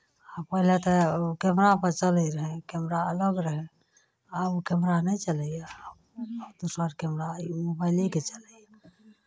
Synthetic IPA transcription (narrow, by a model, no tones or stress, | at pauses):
apəɦilet̪ɛkɛmɾapəɾt͡ʃəlɛɾəɦɛ̃kɛmɾaələɡɾəɦɛ | akɛmɾanɛt͡ʃəlɛja | d̪usbəɾkɛmɾaimubəɪliket͡ʃəlɛja